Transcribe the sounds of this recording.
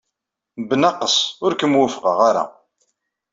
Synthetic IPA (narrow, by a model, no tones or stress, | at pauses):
bənɑqːəsˤʊɾkəmwəfə̥qɑʁaɾa̰